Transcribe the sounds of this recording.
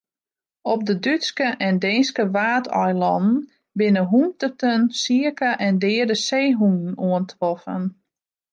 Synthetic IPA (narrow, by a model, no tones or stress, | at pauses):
ɔp̚dədytskəʔɛndeːnskəʋaːtʰɔjlˠɔ̰nn̩ | bɪnəɦumtətənsiəkəʔɛndɪːədəseːɦunn̩uəntʰrɔfən